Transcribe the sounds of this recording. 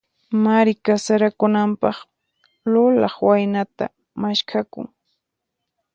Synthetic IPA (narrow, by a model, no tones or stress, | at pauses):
maɾɪkasaɾakʊnampɑχ | lʊlɑχwajnat̪a̰ | maʃkʰakʊ̰ŋ